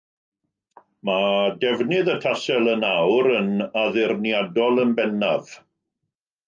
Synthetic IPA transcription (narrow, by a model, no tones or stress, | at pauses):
madɛvnɪðətʰasɛlˠənawɾənaðɪrnjadɔlˠənbɛnav̥